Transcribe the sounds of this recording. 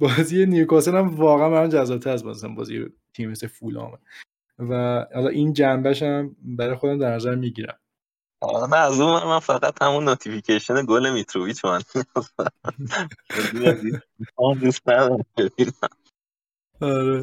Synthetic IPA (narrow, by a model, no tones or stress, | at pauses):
bɒːziːeniukɒseɾæmvɒːɣæænbæænd͡ʒæzɒːb̚t̪ʰæɾæsbɒzsæmbɒ̰ːzḭḛ | t̪ʰimːesefuːlɒ̰ːme | væhɒlɒ̰ʔind͡ʒæmbæʃæmbæɾɒːjexo̞d̪æmd̪æɾnæzæɾmiɟiɾæ̰m | ɒ̰næzumænmːænfæɣæt̪hæmunːot̪ʰificʰeʃoneɡolemit̪ʰɾoviːt̪ʰomaniz | izi | iand̪ust̪næd̪ɒɾbeinæm | ɒɾe